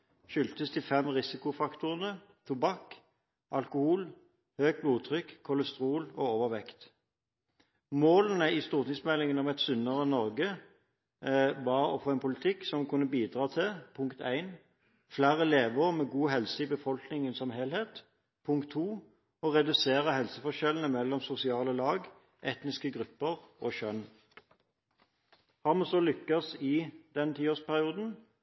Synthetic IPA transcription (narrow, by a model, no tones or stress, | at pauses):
ʃʏlt̪əst̪ʰɪfɛmʁɪsɪkʊfɑkt̪ʊʁənə | t̪ʰʊbɑk | ʔɑlkʊhuːl | høːɡ̚bluːt̪ʰʁʏkʰːɔləst̪ʁuːloːoːʋəʁʋɛkt̪ | moːlənəɪst̪uːʁt̪ɪŋsmɛlːɪŋənɔmɛt̪sʏnəʁənɔʁɡə | ʋɑʁɔ̰foːɛnpʰʊlɪt̪ʰɪksɔmkʰʉnːəbiːd̪ʁɑːt̪ʰɪpʰʊŋkt̪ʰæɪn | flæːʁəleːʋəʁmɛːɡuːɦɛlsəɪbəfɔlknɪŋənsɔmheːlheːt̪ | pʰʊŋkt̪ʰːuː | ɔʁɛd̪ʉseːʁəhɛlsəfɔʃɛlən̩əmɛlːɔmsʊsɪɑːləlɑːɡ | ʔɛt̪nɪskəɡʁʉpːəʁoːʃœn | hɑʁmɑsɔlʏkːɑsɪd̪ɛnt̪ʰiːoːspʰæʁɪuːd̪n̩